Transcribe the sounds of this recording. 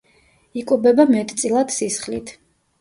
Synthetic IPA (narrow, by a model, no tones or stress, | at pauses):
ikʼubɛbamɛt̪ʼt̪sʼilˠad̪̥sisχlit̪ʰ